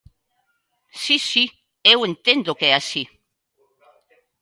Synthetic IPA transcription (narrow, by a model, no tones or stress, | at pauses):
sisi | ewent̪end̪okɛasi